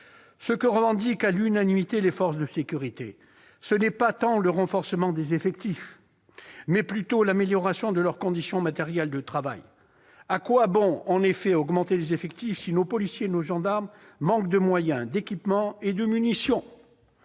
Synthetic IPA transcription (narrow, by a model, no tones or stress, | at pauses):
səkəʁəvɑ̃d̪ikalynanimit̪elefɔʁsd̪əsekʲyʁit̪ḛ | sənɛpat̪ɑ̃ləʁɑ̃fɔʁsəmɑ̃d̪ezefɛkt̪if | mɛplyt̪olameljɔʁasjɔ̃d̪əlœʁkɔ̃d̪isjɔ̃mat̪eʁjɛld̪ət̪χava̰j | akwabɔ̃ɑ̃nefɛɔɡmɑ̃t̪elezefɛkt̪ifsinopɔlisjenoʒɑ̃d̪aʁmː | ɑ̃kd̪əmwajɛ̃d̪ekʲipmɑ̃ed̪əmynisjɔ̃